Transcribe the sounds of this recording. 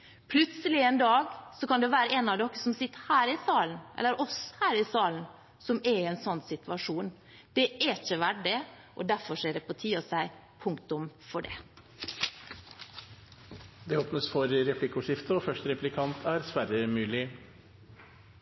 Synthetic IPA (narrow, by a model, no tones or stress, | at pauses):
pʰlʉt̪səlɪɛnd̪ɑːɡsɔkɑnd̪ɛʋæːɾəɛnɑʋd̪ɔkːə̥sɔmsɪt̪ːəhæːɾɪsɑːlnʔɛ̰lːəɾʔɔshæːɾɪsɑːln̩ | sɔmɛɪɛnsɔnːsɪt̪ʉʋɑʂuːn | d̪̥ɛʔɛɪçəʋæɖɪ | ʔɔ̰d̪æɾfɔʂeːɖɛpʰɔt̪ʰiːɔsæɪ | pʰʊŋkt̪ʊmfɔɖɛ̰ | d̪ɛoːpnəsfɔɾɾɛpʰlɪkʊʂɪft̪əɔfœʂʈɾɛplɪkʰɑnt̪ʰæɾsʋæɾəmʉːlɪ